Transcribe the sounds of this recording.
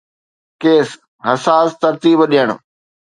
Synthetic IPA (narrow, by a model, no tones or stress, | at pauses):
keːs | ɦɐsaːst̪ɐɾt̪iːbɗijəɽ̃ʊ